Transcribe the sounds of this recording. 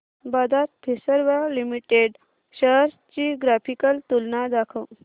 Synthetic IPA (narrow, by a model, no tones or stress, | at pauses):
bad̪ʱat̪̚pʰisəɾʋalimiʈeɖ | ɕəɦɾ | t͡ɕiɡɾapʰikəlt̪ulnad̪akʰəw